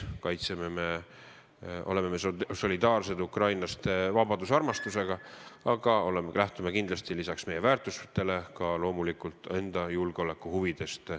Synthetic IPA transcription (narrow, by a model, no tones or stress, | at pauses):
kɑjt̪sememe̞ | ʔo̞̰le̞memesso̞lʲid̪ɑːrse̞d̪ukrɑjnɑst̪vɑbɑd̪̥usɑrmɑst̪use̞ɡ̥ɑɑɡ̥ɑo̞lemelæht̪umekind̪lɑst̪ilisɑksme̞je̞væːrt̪ˑust̪ːe̞le̞kɑlo̞ːmulikult̪ːˑe̞nd̪̥ɑjulɡ̥eo̞le̞kːˑuhuvid̪̥e̞st̪